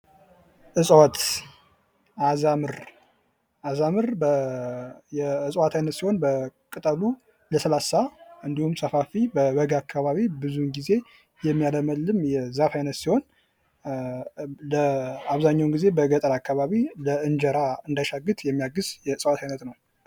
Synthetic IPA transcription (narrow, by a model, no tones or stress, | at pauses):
ʔɨsʼwat̪ | ʔazamɨɾ | ʔazamɨɾbə | jɛɨsʼwat̪ʰajnət̪siho̞nbəkʼɨt̪ʼəlu | ləsəlasaʔɨnd̪ihumsəfafibəβəɡakʰːaβaβibɨzunɡize̞ | jɛmːijaləməlːɨmjɛzafajnət̪siho̞n | ləaβzaɲːawnɡize̞bəɡət̪ʼəlakʰːaβaβiləʔɨnd͡ʒəɾaɨnd̪aʃaɡɨt̪jɛmːijaɡɨz̥jɛɨsʼwat̪ʰajnət̪nəw